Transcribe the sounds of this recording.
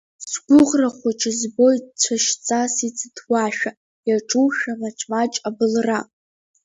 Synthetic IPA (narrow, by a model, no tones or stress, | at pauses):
sɡʷʊʁraχʷat͡ʃʰɪzbo̞jt͡ɕʷʰaʃt͡sʼasit͡sʰʼɨtʰwaʃᶣa | jaʈ͡ʂʼuwʃᶣamaʈ͡ʂʰʼmat͡ʃʼabɨlra